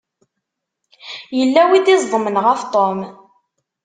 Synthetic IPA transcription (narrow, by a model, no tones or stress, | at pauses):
jəlːæwiðizˤðˤəmənʁəft̪ˤom